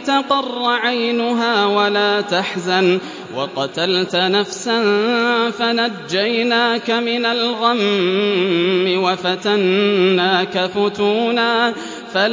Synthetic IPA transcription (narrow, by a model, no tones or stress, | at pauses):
t̪ɑqɑrˤːɑʕajnʊɦaːwalaːt̪aħzan | wɑqɑt̪alt̪nafsanfanad͡ʒːajnaːkamɪnalɣam | ɪwafat̪anːaːkafʊt̪uːnaː | fal